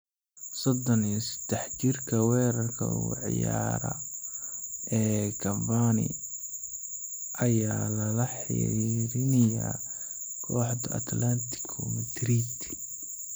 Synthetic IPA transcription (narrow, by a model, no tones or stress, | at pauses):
sɔd̪ɔnisɪ̥d̪̥ɛħt͡ʃɪrkʰɐwɛːɾɐrkʰɐ̰uʕ̰jaːɾɐ̰ | ɛːkʰɐvanɪ̰ | ʔɐjaːlɐlɐħḭɾɪnɐja̰ | kʰɔːħd̪ɐɐ̰t̪lant̪ʰɪ̥kʰʊmɪd̪rit̪ʰ